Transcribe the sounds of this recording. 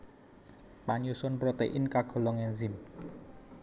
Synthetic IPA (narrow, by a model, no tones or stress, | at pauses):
paɲusʊnpɾot̪eʔɪnkaɡ̥ɔ̤lɔŋɛnzɪm